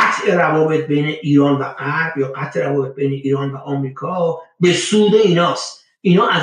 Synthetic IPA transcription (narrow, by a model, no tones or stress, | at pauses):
t̪ʰʔe̞ɾævɒːbe̞t̪̚ʰbe̞jneʔiːɾɒːnvæɢæɾb̥jɒːɡæt̪ʰʔe̞ɾævɒːbe̞t̪̚be̞jneʔiːɾɒːnvæʔɒːmɾiːkʰɒːbe̞suːd̪e̞iːnɒːst̪ | ʔiːnɒːʔæz